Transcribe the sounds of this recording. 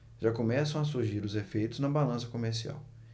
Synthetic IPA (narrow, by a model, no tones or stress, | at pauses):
ʒ̥akomɛsɐ̃w̃ɐsuɾʒiɾʊzefejt̪ʊznɐbalɐ̃sɐkomeɾsia̰w